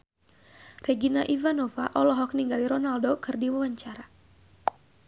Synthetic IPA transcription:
rɛɡinaʔivanɔvaʔɔlɔɦɔk̚niŋɡaliɾɔnaldokɨrdiwawaɲt͡ʃaɾa

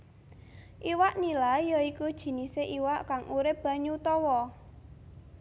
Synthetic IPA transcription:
ʔiwaʔnilajjɔikud̥ʒ̥i̤niseʔiwaʔkaŋʔuɾɪp̚b̥a̤ɲut̪ɔwɔ

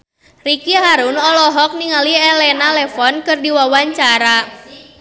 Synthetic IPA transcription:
rikiɦaɾunɔlɔɦɔk̚niŋaliɛlɛnalɛfɔnkɨrdiwawaɲt͡ʃaɾa

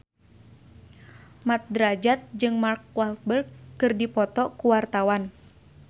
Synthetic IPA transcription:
mat̪̚dɾad͡ʒat̪̚d͡ʒɨŋmark̚walt̪̚bərɡːɨrdipɔt̪ɔkuwart̪awan

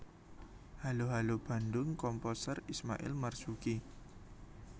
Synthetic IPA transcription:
haloɦalob̥a̤ndʊŋkɔmposərismaʔɪ̰lmarsuki

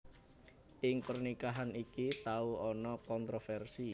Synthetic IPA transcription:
ʔɪŋpərnikaɦanikit̪auɔnɔkɔnt̪ɾofɛrsi

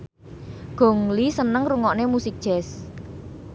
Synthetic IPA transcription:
ɡ̥o̤ŋlisənəŋruŋɔʔnemusɪk̚dʒ̥ɛ̤s

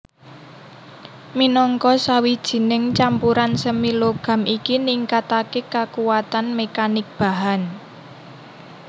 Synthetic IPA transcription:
minɔŋkɔsawid̥ʒ̥i̤nɪŋt͡ʃampuɾansəmiloɡ̥a̤mikiniŋkat̪akekakuwat̪anmekanɪk̚b̥a̤ɦan

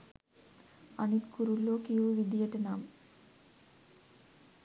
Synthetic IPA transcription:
ɐnit̪kuɾulːoːkijʋɨʋid̪ijɐʈɐnaːm

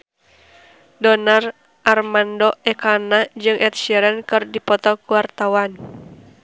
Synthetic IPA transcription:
dɔnar | ʔarmandɔɛkanad͡ʒɨŋʔɛt̪̚ʃɛɾankɨrdipɔt̪ɔkuwart̪awan

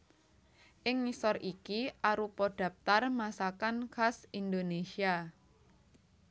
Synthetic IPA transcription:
ʔɪŋːisɔrʔikiʔaɾupɔɖ̥a̤p̚t̪armasakankasind̪onesia

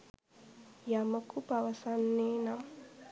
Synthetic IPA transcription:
jaməkub̥awasanːena

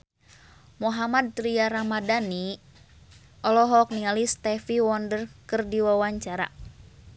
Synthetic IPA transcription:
muɦamad̪̚ɾiaɾamadani | ʔɔlɔɦɔk̚niŋalist̪ɛfiwɔndərkɨrdiwawaɲt͡ʃaɾa̰

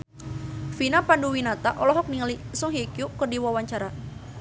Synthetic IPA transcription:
finapanduwinat̪aʔɔlɔɦɔk̚niŋalisɔŋɦikjukɨrdiwawaɲt͡ʃaɾa

